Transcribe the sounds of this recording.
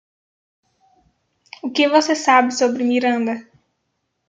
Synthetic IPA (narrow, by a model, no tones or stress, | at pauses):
ʊkɪvosesabɪsobɾɪmiɾɐ̃nd̪ɐ